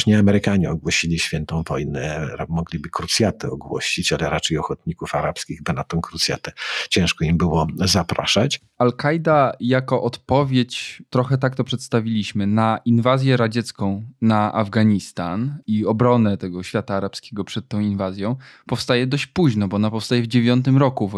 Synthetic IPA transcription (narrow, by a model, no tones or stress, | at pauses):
ʂɲɛamɛɾɘkaɲɛɔɡwɔɕilʲiɕfʲjɛnt̪ɔ̃w̃vɔjnɛɾamɔɡlʲibɘkɾut̪sʲjat̪ɛɔɡwɔ̰ɕit͡ɕalɛɾat͡ʂɛjɔxɔt̪̚ɲikufaɾapskʲiɣbɘnat̪ɔ̃w̃kɾut̪sʲja̰t̪ɛt͡ɕɛ̃w̃ʂkɔimbɘwɔzapɾʔa̰ʂat͡ɕ | alkajd̪ajakɔʔɔt̪pɔvʲjet͡ɕt̪ɾɔxɛt̪ak̚t̪ɔpʂɛt̪st̪avʲilʲiɕmɘnainvazʲjɛɾad͡ʑɛt̪skɔ̃w̃naʔa̰vɡaɲist̪aniɔbɾɔnɛt̪ɛɡɔɕfʲjat̪aːɾapskʲeɡɔpʂɛt̪̚tːɔ̃w̃invazʲjɔ̃w̃pɔfst̪ajɛd̪ɔɕt͡ɕpuʑnɔbɔɔnapɔfst̪ajɛvd͡ʑevʲjɔnt̪ɘmɾɔkuv